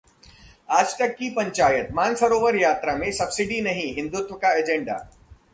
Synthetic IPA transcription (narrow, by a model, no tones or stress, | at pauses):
aːd͡ʒʈ̪ɐkːipɐ̃ɲt͡ʃaːjət̪maːnfɐɾoːʋəɾjaːt̪ɾamẽsɐbsɪɖinɐɦĩɦɪ̃nd̪ʊt̪ʋəkaeːd͡ʒẽɳɖa̰ː